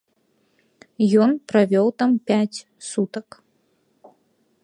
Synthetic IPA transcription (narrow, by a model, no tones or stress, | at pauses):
jɔnpɾavʲɔwt̪ampʲat͡sʲ | sut̪ɐk